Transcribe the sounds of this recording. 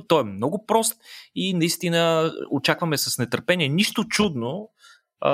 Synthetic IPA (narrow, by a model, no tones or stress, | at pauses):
t̪ɔɛmnɔɡʊpɾɔst̪inɐist̪inəot͡ʃakvɐmɛsɐsnɛt̪əɾpɛnʲiɛniʃt̪ot͡ʃud̪no